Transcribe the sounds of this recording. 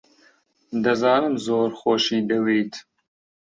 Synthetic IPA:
d̪ɐzɑːnɨmzoːɾxoːʃiːd̪ɐweːt̪ʰ

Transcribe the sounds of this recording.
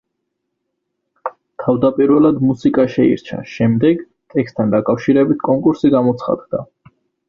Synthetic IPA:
t̪ʰavd̪apʼiɾwɛlad̪musikʼaʃɛḭɾt͡ʃʰa̰ʃɛmd̪ɛɡ | t̪ʼɛkst̪ʰand̪akʼafʃiɾɛbit̪ʰkʼɔŋkʼuɾsiɡamɔt̪sʰχa̰d̪d̪a

